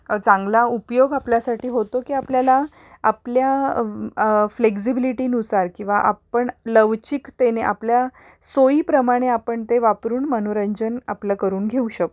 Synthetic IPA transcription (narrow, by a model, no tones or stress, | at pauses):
t͡sãŋɡlaupjoɡapljasaʈiːɦot̪okiːapljalaː | plja | fleksibiliʈiːnusaɾkĩw̃ʋaʔa̰pəɳləʋt͡ɕikt̪eneʔa̰plja | soiːpɾəmaɽ̃eapəɳt̪eʋapɾuːɳmənoɾəɲd͡ʑəna̰pləkəɾuːnɡʱeuɕək